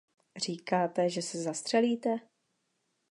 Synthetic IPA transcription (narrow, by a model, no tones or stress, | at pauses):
r̝iːkaːt̪ɛʒɛsɛzast̪r̥ɛliːt̪ɛ